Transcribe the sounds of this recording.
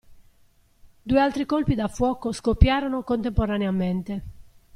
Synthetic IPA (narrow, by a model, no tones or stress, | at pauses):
d̪uːealt̪ɾikolpid̪afːwɔːkoskopːjaːɾɔnokont̪empoɾaneament̪e